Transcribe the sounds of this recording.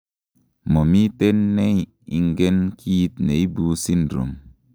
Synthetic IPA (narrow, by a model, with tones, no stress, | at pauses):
mo˨mi˦te˦nːe˦j | i˨ŋɡe˦nkʰi˦ji˦t̚ne˨i˦bu˨si˦ndɾo̰˨m